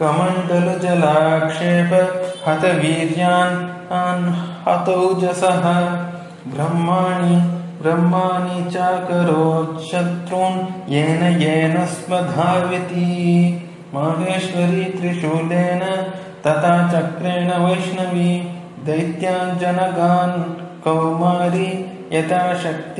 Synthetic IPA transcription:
kɐmɐɳɖ̪ɐlud͡ʒɐlaːkʂeːbɐhɐt̪ɐʋiːɾjaːn | anhɐt̪ɐwd͡ʒɐsɐɦɐ | bɾɐmːaːɳibɾɐmːaːnit͡ʃaːkɐɾoːtʃɐt̪ɾuːnjeːnɐjeːnɐspɐd̪ʱaːʋit̪i | maːɦeːʃʋɐɾiːt̪ɾiʃuːleːnɐ | t̪ɐt̪ʰaːt͡ʃɐkɾeːɳɐʋɐjʃnɐʋi | d̪ɐjt̪jaːnd͡ʒɐnɐɡaːnkɐwmaːɾi | jɐt̪aːʃɐk̚t̪i

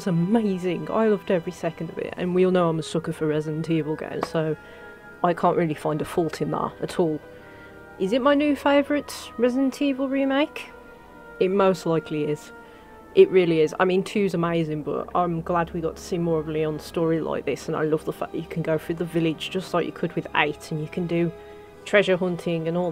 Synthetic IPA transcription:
zəmeɪzɪ̃ŋa̰ɪlʌvdɛvɹisɛkə̃n̩dəvɪ̰ʔə̰̃nwiɔlˠnoʊãɪ̃məsʊkəfəɹɛzə̃ntʰivəl̩ˠɡḛ̃ɪ̃msoʊ | ʔaɪkʰɑ̃ˑnʔɹɪlˠifãɪ̃ndəfɔlˠtʰɨ̃nðə̰tətʰɔlˠ | ʔɪzɨt̚maɪnjʉːfeɪvə˞ɨtɹɛzə̃ntʰivəl̩ˠɹimeɪk | ɪt̚moʊstˡlaɪkʰliɪz̥ | ʔɪʔɹɪːliɪza̰ɪmĩntʰʉzəmeɪzɪ̃ŋbʌ̰tã̰ɪ̃mɡlad̚wiɡɒ̰tʰə̥siːmɔːɹəvliə̃nstɔːɹilʔa̰ɪk̚ðɪsə̃na̰ɪlʌvðəfa̰k̚ðə̰t͡ʃə̥kʰə̃nɡoʊfɹʉðəvɪlɪdd͡ʒd͡ʒʌstlaɪt͡ʃjə̰kʰɨd̚wɪðḛɪtə̃njəkʰə̃ndɨ | tʰɹ̥ɛʒə˞ɦʌ̃ntʰɪ̃ŋə̃nɔ

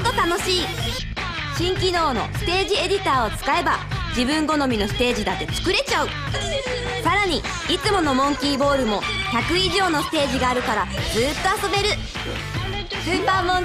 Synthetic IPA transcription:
t̪ːot̪ano̞ɕiː | ɕĩŋkʲino̞ːno̞̰sɨ̥t̪e̞ːʑie̞dʲit̪aːo̞t͡sɨ̥kae̞bad͡ʑibɯ̟̃ŋɡo̞no̞mʲino̞sɨ̥t̪e̞ːʑid̪at̪ːe̞t͡sɨ̥kɯ̟ɾe̞t͡ɕaɯ̟ | saɾaɲ̟i | it͡sɨmo̞no̞mõ̞ŋkʲiːbo̞ːɾɯ̟mo̞çakɯ̟iʑo̞ːno̞sɨ̥t̪e̞ːʑiɡaːɾɯ̟kaɾad͡zɨːt̪ːo̞aso̞be̞ɾɯ̟ | ɕɯpãːõŋ

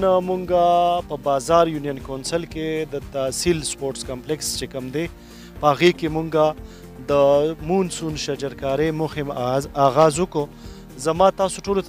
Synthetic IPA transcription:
namuŋɡapəbɑzɑɾjunijənkonsəlked̪ət̪asilspoɾʈskamplekst͡ʃekəmd̪e | pəhaɣekemuŋɡa | d̪əmunsunʃad͡ʒaɾkɑɾemohɪmaɣɑzwʊko | zamɑt̪ɑsoʈolot̪

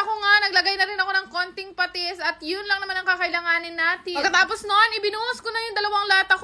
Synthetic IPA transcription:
ɐkoŋanɐɡlɐɡajnɐɾɪnɐko̞nɐŋko̞nt̪ɪŋpɐt̪ɛsɐt̪jʊnlɐŋnɐmanɐŋkɐkɐʔɪlɐŋaːnɪnːaːt̪ɪpɐkːɐt̪aːposnonɪbɪnuːɐskonɐjʊŋd̪ɐlɐwaŋlɐhat̪ɐk

